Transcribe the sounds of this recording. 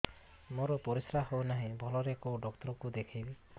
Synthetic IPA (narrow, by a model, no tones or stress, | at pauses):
moɾɔpɔɾisɾaɦownaɦĩbʱɔlɔɾekoɖɔk̚t̪ɔɾɔkud̪ekʰajbi